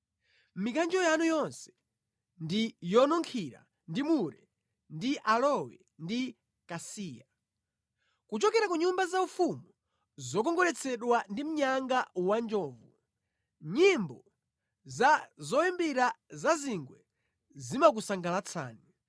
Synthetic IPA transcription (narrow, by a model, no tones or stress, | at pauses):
mikand͡ʒɔjanujɔnsɛ̥ | ndijɔnɔŋkʰiɾa̰ | ndimuɾɛ | ndiʔalɔwɛ | ndi | kasiːja | kut͡ʃɔkɛɾakuɲumbazaufumu | zɔk̬ɔŋɡɔlɛt͡sʰɛɗwandim̩ɲaŋɡawand͡ʒɔːvu | ɲimbɔ | zazɔimbiɾazaziŋɡwɛ | zimak̬usaŋɡalat͡sʰa̰ːni